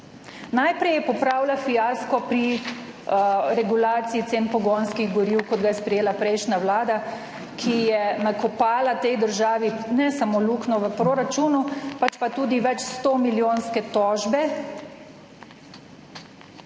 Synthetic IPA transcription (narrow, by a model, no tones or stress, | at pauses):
najpɾɛjɛpɔpɾaːwlafijaskɔpɾi | ɾɛɡulaːt̪siːt̪enpɔɡonskiɣɡɔɾiwkɔd̪ɡajɛspɾɛjeːlapɾɛjʃnawlaːd̪a | kʰijɛnakɔpaːlat̪ɛjd̪əɾʒaːʋinɛsamoluknɔʋəpɾoɾat͡ʃunupat͡ʃpat̪uːd̪iʋɛt͡ʃst̪oːmiljoːnskɛt̪ɔːʒbɛ